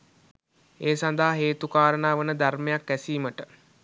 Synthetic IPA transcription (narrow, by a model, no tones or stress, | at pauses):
eːsand̪aɦaɦeːt̪ukaːɾənaːʋənəd̪armejakʋæsiːməʈə